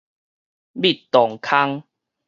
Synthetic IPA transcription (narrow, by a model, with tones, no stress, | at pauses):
bi˦˨t̪ːɔ˨˩ŋkʰa˦ŋ